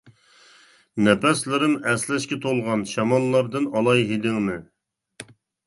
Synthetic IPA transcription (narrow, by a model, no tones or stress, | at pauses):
nɛpɛslɪɾɪmɛslɛʃkʲɛt̪ʰolˠʁɑnʃɑmɑlˠːɑɾd̪ɨnɑlˠɑjɦed̪ɪŋnɨ